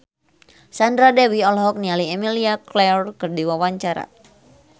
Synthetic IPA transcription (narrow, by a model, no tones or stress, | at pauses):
sandɾadɛwiɔlɦɔk̚nialiɛmiliaklɛrkɨrdiwawaɲt͡ʃaɾa̰